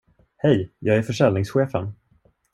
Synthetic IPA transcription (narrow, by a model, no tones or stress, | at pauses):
hɛjjɑːɡæɾfœʂɛlnɪŋsɧeːfə̰n